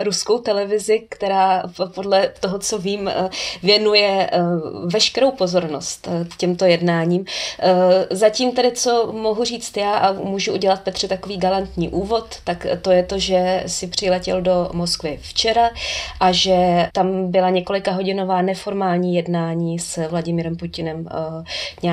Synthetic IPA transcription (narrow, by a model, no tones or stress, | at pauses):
ɾuskowt̪ɛlɛvɪzɪkt̪ɛɾaːpo̞dlɛt̪oɦot͡so̞viːmvjɛnujɛ | vɛʃkɛɾowpo̞zo̞ɾno̞̰st̪cɛmt̪o̞jɛdnaːɲiːm | zaciːmt̪ɛdɪt͡so̞mo̞ɦur̝iːt͡st̪jaːʔamuːʒuʔuɟɛlat̪̚pɛt̪r̥ɛt̪ako̞viːɡalant̪ɲiːʔuːvo̞t̪ːakt̪o̞jɛt̪o̞ʒɛsɪpr̝̥ɪlɛcɛldo̞mo̞skvɪft͡ʃɛɾaʔaʒɛt̪ambɪlaɲɛko̞lɪkaɦo̞ɟɪnovaːnɛfo̞ɾmaːlɲiːjɛdnaːɲiːsvlaɟɪmiːɾɛmpucɪnɛm | ɲ